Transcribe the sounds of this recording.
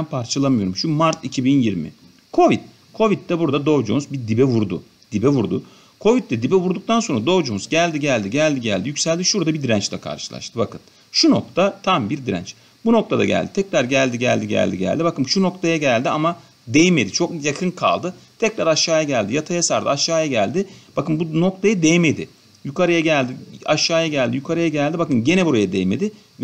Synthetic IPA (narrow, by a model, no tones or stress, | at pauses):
npʰaɾt͡ʃʰalˠamɯjo̞ɾumʃumaɾt̪ʰicʰibinjiɾmɪ̰ | kʰo̞vit̪̚ | kʰo̞vit̪ːɛbuɾd̪ad̪o̞vd͡ʒumzbiɾd̪ibɛvuɾd̪ʊ̰ | d̪̥ibɛvuɾd̪ʊ | kʰo̞vit̪ːɛd̪ibɛvuɾd̪uk̚t̪ʰanso̞nɾad̪o̞vd͡ʒumzɟælʲd̪iɟælʲd̪iɟælʲd̪iɟælʲd̪ijycʲsælʲd̪iʃuɾd̪abid̪ɾænt͡ʃlʲɛkʰa̰ɾʃɯ̥lˠa̰ʃt̪ʰɯbakʰɯt̪̚ | ʃuno̞̰k̚t̪ʰat̪ʰambiɾd̪iɾæ̰nt͡ʃ | buno̞k̚t̪ʰad̪a̰ɟæ̰lʲd̪it̪ʰɛcɾaɾɟælʲd̪iɟæ̰lʲd̪iɟæ̰lʲd̪ḭɟæ̰lʲd̪ibakɯmʃuno̞kt̪ʰajaɟælʲd̪iama | d̪ejime̞d̪it͡ʃʰo̞k̚jakʰɯnkʰa̰lˠd̪ɯt̪ʰɛcɾaɾaʃːaːjaɟælʲd̪ijat̪ʰajasaɾd̪ɯ̰aʃːaːjaɟælʲd̪ɪb̥akɯnbuno̞k̚t̪ʰajad̪ejme̞d̪ɪ̰ | jukʰaɾajaɟælʲd̪iaʃːaːjaɟælʲd̪ijukʰaɾajaɟælʲd̪ibakɯnɟe̞nɛbuɾajad̪ejme̞̰d̪ɪ